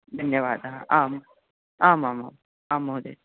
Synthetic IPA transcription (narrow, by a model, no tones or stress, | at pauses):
d̪ʱɐnjəʋaːd̪ɦãʔaːm | aːmãːma̰ːm | aːmoɦd̪ḛː